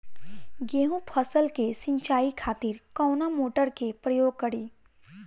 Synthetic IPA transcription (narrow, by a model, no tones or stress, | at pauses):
ɡeːɦũpʰəsəlkesɪ̃ɲt͡ʃaːikʰaːt̪ɪɾkɔːnamoːʈəɾkepɾəjoːɡ̚kɐɽiː